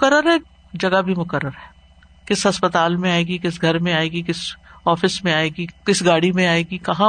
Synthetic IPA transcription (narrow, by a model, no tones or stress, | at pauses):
mʊkəɾəɾɦɛ | d͡ʒɐɡabʱimʊkəɾːəɾɦɛː | kɪsɦɐspət̪aːlmẽaːeːɡikɪs̬ɡʱɐɾmẽaːeːɡikɪsɔːfɪsmẽaːeːɡikɪsɡaːɽimẽaːeːɡikɐɦã